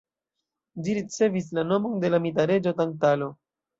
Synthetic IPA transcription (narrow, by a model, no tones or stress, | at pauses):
d͡ʒiɾit͡se̞vis̬lano̞mo̞nde̞lamitaɾe̞d͡ʒo̞tantalo̞